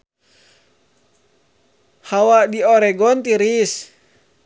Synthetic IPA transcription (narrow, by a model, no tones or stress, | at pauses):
hawadioɾɛɡɔnt̪iɾis